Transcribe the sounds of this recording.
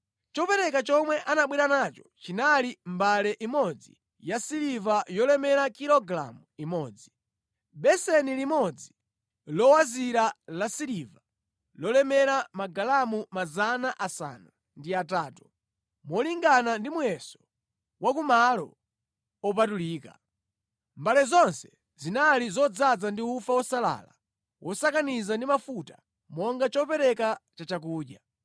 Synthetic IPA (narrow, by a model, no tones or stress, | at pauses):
t͡ʃɔpɛɾɛkat͡ʃɔmwɛʔanaɓwiɾanat͡ʃɔ̥t͡ʃinalimbalɛʔimɔd͡zḭ | jasiɾivajɔlɛmɛɾakilɔɡla̰muimɔːd͡zi | ɓɛsɛnilimɔd͡zi | lɔwaziɾalasiɾiva | lɔlɛmɛɾamaɡalamumazanaʔasa̰ːna | ndiataːtu̥ | mɔliŋɡanandimujɛsɔ̥ | wakumalɔ̰ | ɔp̬atuliːka̰ | mbalɛzɔnsɛ̥ | zinalizɔd͡zad͡zandiufawɔsala̰ːla | wʔɔsakanizandimafuta | mɔŋɡat͡ʃɔpɛɾɛkat͡ʃat͡ʃak̬uːɗja